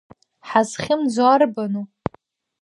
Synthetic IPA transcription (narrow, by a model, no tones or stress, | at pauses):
ħazχʲɪmd͡zwarbanu